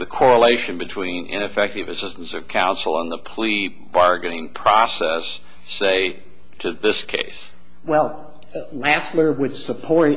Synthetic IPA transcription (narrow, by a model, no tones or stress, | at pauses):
ðɨkʰɔɹəleɪʃɨ̃nbɨtʰw̥ĩnʔɪ̰̃ñɨfɛk̚tɨvɨsɪstn̩sʌv̥kʰãʊ̃nsl̩ˠə̃nðəpʰl̥i | bɑɹɡɨnɪ̃ŋpʰɹ̥ɔsɛsː | eɪ | ɾɨðɪskʰḛɪs | wɛlˠ | læflə˞wɨd̥səpʰɔɹ